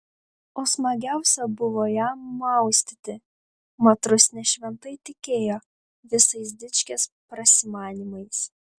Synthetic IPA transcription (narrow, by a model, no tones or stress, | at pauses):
oːsmɐɡʲæˑʊsʲɛbʊʋoːjæːmɐˑʊsʲt̪ʲɪt̪ʲɪ | mɐt̪ɾʊsʲnʲɛʃʲʋʲɛnt̪ɐɪt̪ʲɪkʲeːjoː | ʋʲɪsɐɪsd̪ʲɪt͡ʃʲkʲeːspɾɐsʲɪmɑːnʲimɐɪs